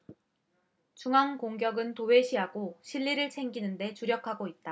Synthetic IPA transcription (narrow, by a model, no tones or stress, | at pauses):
t͡ɕuŋɦaŋkoŋɡjʌɡɯntowe̞ɕʰiɦaɡoɕʰiʎːiɾɯɭt͡ɕʰe̞ŋɡinɯnde̞t͡ɕuɾjʌkʰaɡoit̚t͈a